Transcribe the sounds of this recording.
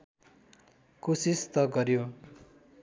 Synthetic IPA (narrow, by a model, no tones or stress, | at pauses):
kusist̪ʌɡʌɾjo